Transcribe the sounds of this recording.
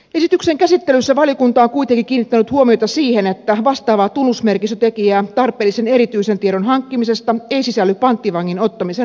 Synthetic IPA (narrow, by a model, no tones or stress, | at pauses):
esit̪ykseŋkæsit̪ːelysːæʋɑlijokunt̪ɑːŋkuit̪eŋkikiːnːit̪ːænyt̪huomiot̪ɑsiːhenet̪ːæʋɑst̪ɑːʋɑːt̪unːusmerkisøt̪ekijæːt̪ɑrpˑeːlːˑiseneɾit̪yisent̪ieɾonhɑŋkːimisest̪ɑeisisælːyppɑnt̪ːiʋɑŋːinot̪ːɑmise